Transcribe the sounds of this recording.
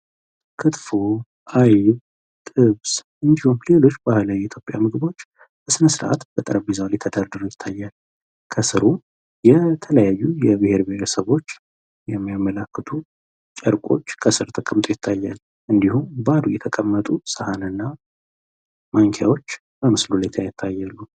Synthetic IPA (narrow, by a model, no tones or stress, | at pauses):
kʰɨt̪fu | ʔaj | t̪ʼɨβsʔɨnd̪ihumle̞lo̞t͡ʃːbahlawiit̪ʰjopʼjamɨɡɨbo̞t͡ʃː | bəsɨnəsɨɾʔa̰t̪b̥ət̪ʼəɾəbizawlet̪ʰəd̪aɾd̪ɨɾojɪt̪ʰːajːal | kʰəsɨɾu | jɛt̪ʰələjajːujɛbɨhe̞ɾbihɾəsəβo̞t͡ʃː | jɛmːijamːələkːət̪ʰu | t͡ʃʼəɾkʷʼo̞̰t͡ʃːkʰəsɨɾt̪ʰəkʼəmt̪ʼojɪt̪ʰːajːal | ʔɨnd̪ihumbad̪ujɛt̪ʰəkʼəmːət̪ʼusəhanɨnːa | mʔaŋkʰja̰wo̞t͡ʃː | bəmɨslulajɪt̪ʰːajɪt̪ʰːajːalːu